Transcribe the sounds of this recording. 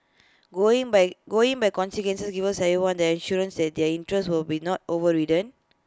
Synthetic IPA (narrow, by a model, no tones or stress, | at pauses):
ɡoĩŋbɡoĩŋbajkɔ̃nsikwɛ̃nsəsɡivəsɛviwãndɛĩnʃuɹə̃nsdɛt̚dɛĩntɹɛswilbinɔt̚ovəɹidə̃n